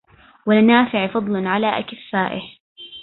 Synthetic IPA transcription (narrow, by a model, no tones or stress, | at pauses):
wɪlnaːfɪʕfɑd̪ˤlnʕalaːʔakɪfːaːʔɪh